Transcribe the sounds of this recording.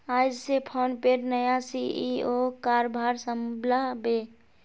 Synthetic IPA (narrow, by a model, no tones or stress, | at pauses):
ajd͡ʒsepʰonpeɾnəjasiiokaɾbʱaɾsəmblabe